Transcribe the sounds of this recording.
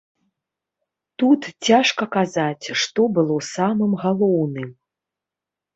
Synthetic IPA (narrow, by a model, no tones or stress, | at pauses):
t̪ut̪t͡sʲaʂkɐkazat͡sʲʂt̪ɔbɨlˠɔsamɨmɣalˠɔwnɨm